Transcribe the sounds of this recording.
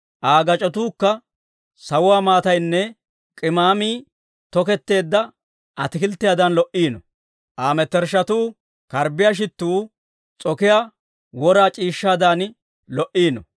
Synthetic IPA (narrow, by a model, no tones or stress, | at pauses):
ʔaːɡɐt͡ʃʼɔt̪̬uːkːɐ | sɐwʊwaːmaːt̪ɐjnːɛ | kʼɪmaːmiː | t̪ɔkɛt̪ːe̞ːd̪ːɐ | ʔɐt̪ɪkɪlt̪ːɪjaːd̪ɐnlɔʔiːnɔ | ʔaːmɛt̪ːɛɾʃɐt̪uː | kɐɾbɪjaʃ̬ɪt̪ːuː | t͡sʼɔkɪja | wɔɾaːt͡ʃʼiːʃːaːd̪aːn | lɔʔiːnɔ̰